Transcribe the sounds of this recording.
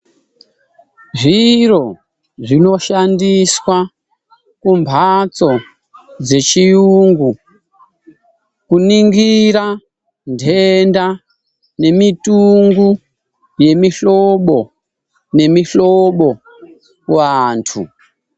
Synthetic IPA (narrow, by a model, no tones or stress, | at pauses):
ʐiro̞ | ʐino̞ʃandiswa | kumbʱat͡so̞ | d͡ze̞t͡ʃijuːŋɡu | kuniŋɡiɾa | ndʱenda | ne̞mituŋɡu | je̞miɬoɓo̞ | ne̞miɬoɓo̞ | waːntʰu